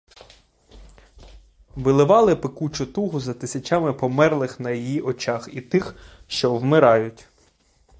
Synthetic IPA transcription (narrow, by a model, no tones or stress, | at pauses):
ʋɪlˠɪʋɑlˠɪpekut͡ʃʊt̪uɦʊzɐt̪ɪsʲɐt͡ʃamɪpɔmɛrlˠɪxnɐjijiʔɔt͡ʃɑxit̪ɪxʃt͡ʃɔwmɪɾɑjʊtʲ